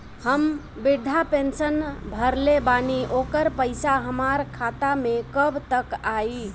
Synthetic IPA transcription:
həm | biɾd̪ʱapensənbʱəɾlebaniʔokəɾpəɪsaɦəmaɾkʰat̪amekəbt̪əkai

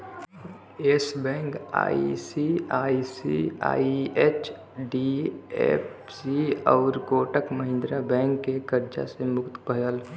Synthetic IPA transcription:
eːsbɛ̃ːŋka̰ːḭsiaːisḭa̰ːiet͡ʃ | ɖiḛp | siɔːɾkoːʈəkməɦɪ̃nd̪ɾabɛ̃ːŋkːekəɾd͡ʒa̰semʊkt̪pəjəl

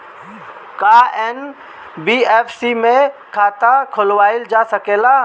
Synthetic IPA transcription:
kaːen | biːeːfʰsimẽkʰaːt̪akʰʊlʋaːɪld͡ʒaːsəkeːlaː

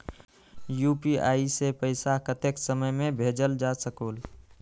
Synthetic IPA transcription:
jupiaːisepəɪsakət̪eksəməjmẽbʱed͡ʒəld͡ʒasəkoːl

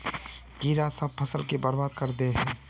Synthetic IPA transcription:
ɡiːɾasɐb̚pʰɐsəlkebəɾbaːd̪kəɾd̪eɦɛ̃ː

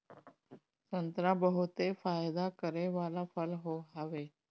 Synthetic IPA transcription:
t̪ənt̪ɾabəɦut̪efaːjd̪akəɾeʋalafəlɦoɦaʋe

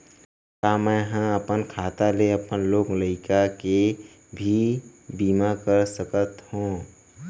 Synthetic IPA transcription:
kamɛ̃ːɦãəpənkʰaːt̪aleəpənloːɡləɪkake | bʱibiːmakəɾsəkət̪hũː

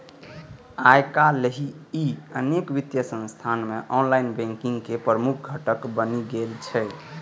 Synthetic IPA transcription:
ajkaleɦiiənekʋit̪jəsə̃nst̪ʰanmeʔɔnlainbɛ̃ŋkĩŋɡkepɾɾəmuk̚ʰɡʱəʈəkbəniɡelt͡ʃʰɛ

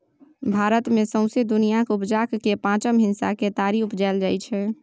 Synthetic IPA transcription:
bʱaːɾət̪mẽsə̃ʊ̃sed̪ʊnijakʊpd͡ʒaːkːepãːt͡ʃəmɦɪ̃nsaket̪aːɾiʊpd͡ʒald͡ʒaːɪt͡ʃʰɛ

